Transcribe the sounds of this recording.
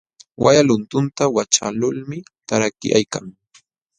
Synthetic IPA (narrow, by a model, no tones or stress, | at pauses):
wʔajalʊnt̪ʊnt̪awat͡ʃa̰lʊlmɪ | t̪aɾakɪ̰ja̰jkaŋ